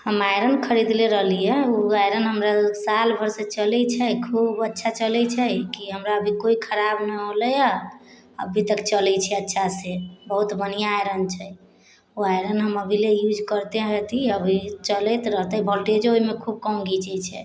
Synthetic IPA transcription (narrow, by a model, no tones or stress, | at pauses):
həmajɾənkʰəɾid̪leɾəɦlijɛuajɾənɦəmɾasalbʱəɾset͡ʃəlɛt͡ʃʰɛkʰubətːʃʰat͡ʃəlɛt͡ʃʰɛkiɦəmɾaəbʱikoikʰəɾabnəɦoləja | əbʱit̪əkt͡ʃəlɛt͡ʃʰɛətːʃʰasebəɦut̪bənijaajɾənt͡ʃʰɛ | uajɾənɦəməbʱilejud͡ʒkəɾt̪ẽɦet̪iəbʱit͡ʃəlɛt̪ɾəɦt̪əbʱəlʈed͡ʒoɦimekʰub̚kɔ̃ũɡit͡ʃɛt͡ʃʰɛ̰